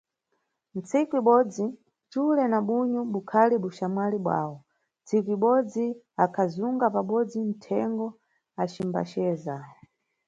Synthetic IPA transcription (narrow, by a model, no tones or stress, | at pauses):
n̩t͡sikuiɓɔd͡zi | t͡ʃulɛnaɓuɲɔɓukʰaliɓuʃamwaliɓwa̰ːwɔ | nt͡sʰikuiɓɔd͡zi | akʰazuŋɡapaɓɔd͡zin̩tʰɛŋɡɔ | at͡ʃimba̰t͡ʃɛːza